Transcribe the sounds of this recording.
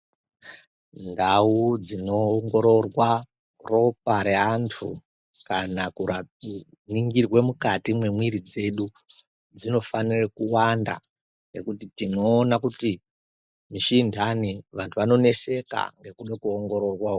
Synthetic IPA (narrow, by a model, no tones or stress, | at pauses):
ndaud͡zino̞ːŋɡo̞ɾo̞rwa | ro̞p̚aɾeantʰu | kanakura | niŋɡirwe̞mukatimwe̞mwiɾid͡ze̞ɗu | d͡zino̞fanirekuwanda̰ | ŋɡekutitino̞ːnakuti | miʃindʱaniʋantʰuʋano̞ne̞se̞ka̰ŋɡe̞kuɗekuoŋɡo̞ɾo̞rwao